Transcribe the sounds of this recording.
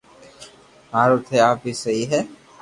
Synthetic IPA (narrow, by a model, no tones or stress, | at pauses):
ɦaːɾot̪ʰeaːpisɐɦiɦɛ